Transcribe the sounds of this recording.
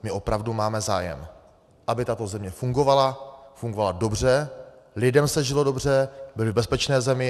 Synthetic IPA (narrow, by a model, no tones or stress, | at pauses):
mɪʔo̞pɾavdumaːmɛzaːjɛ̰m | ʔabɪt̪at̪o̞zɛmɲɛfuŋɡo̞valafuŋɡovalado̞br̝ɛ | lɪdɛmsɛʒɪlo̞do̞br̝ɛbɪlɪbɛspɛt͡ʃnɛːzɛmɪ